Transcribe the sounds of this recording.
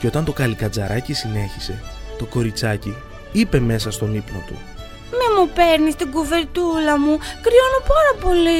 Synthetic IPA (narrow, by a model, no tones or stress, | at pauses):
ceo̞t̪ɐnt̪o̞kɐlikɐd͡zɐɾʔɐcisine̞çise̞t̪o̞ko̞ɾit͡sɐci | ipe̞me̞sɐst̪o̞nipno̞t̪ṵ | memupe̞ɾnist̪iɡuve̞ɾt̪ulɐmukɾionopɐɾɐpoli